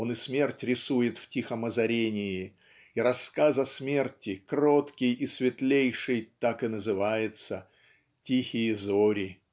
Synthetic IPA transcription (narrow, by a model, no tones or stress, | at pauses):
onɨsmʲertʲrʲɪsujɪt̪ftʲixəməzɐɾʲenʲɪjɪ | iɾɐskazɐsmʲertʲɪkrot̪kʲɪjisvʲɪt̪lʲejʂɨjt̪akɨnəzɨvajɪt̪sə | tʲixʲɪjəzoɾʲɪ